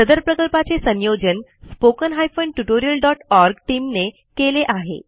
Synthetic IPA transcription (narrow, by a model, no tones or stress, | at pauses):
səd̪əɾpɾəkəlpat͡sesə̃njod͡ʑənspokənɦajfəɳʈuʈoɾijəlɖɔʈɔɾɡʈimne | keleʔaɦḛ